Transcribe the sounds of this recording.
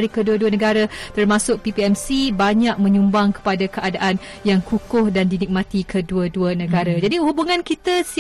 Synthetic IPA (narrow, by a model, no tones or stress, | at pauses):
ɾikəduəduənəɡaɾat̪ərmãsʊk̚pipiɛmsibaɲaʔ̚mə̃ɲumbaŋkə̥padakəʔadaʔan | jaŋkukʊhdandinik̚mãt̪ikʰəduəduənə̃ɡaɾad͡ʒadihubuŋãnkit̪as